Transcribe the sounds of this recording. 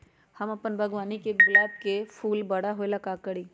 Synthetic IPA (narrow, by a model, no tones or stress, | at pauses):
hɐmɐpənbʱɐɡʋaːnikeɡlaːd̪kefʰuːlbɐɽaɦoelɐkakəɽiː